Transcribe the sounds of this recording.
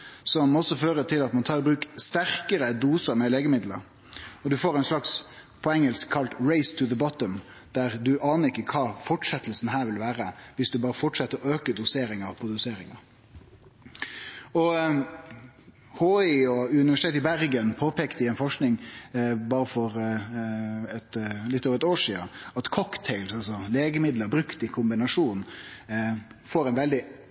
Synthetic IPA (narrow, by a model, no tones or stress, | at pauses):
sɔmɔsːɔføːɾət̪ʰɪlɑt̪mɑnt̪ʰɑːɾbɾʉːkst̪æɾkəɾəd̪uːsəɾmɛleːɡəmɪd̪lə̰ɾ | ɔd̪ʉfoːɾɛɪnslɑks | pʰɔɛŋːəlskʰːɑlt̪ɹeɪst̪ʰʉðəbɔt̪ɔm | d̪̥æɾd̪ʉʔɑːnəɾɪkːəkʰɑːfɔʈʂɛt̪əl̩sn̩ɦæːɾʋɪlʋæːɾəʋɪsd̪ʉbɑːɾəfɔʈʂɛt̪ːəɾɔøːkəd̪ʊseːɾɪŋɑpʰɔd̪ʉseːɾɪŋɑ̰ | ɔ | hoːɪɔʉnɪʋæʂɪt̪eːt̪ɪbæɾɡənpʰoːpʰɛːkt̪ɪɛnfɔʂknɪŋbɑːɾəfɔɾ | ɛt̪lɪt̪ːoːʋɛt̪oːʂiːə̰ɑt̪kʰɔkt̪ʰɛɪlsɑlsɔleːɡəmɪd̪ləbɾʉkt̪ɪkʰʊmbɪnɑʂuːn | foːɾɛɪnʋɛld̪ɪ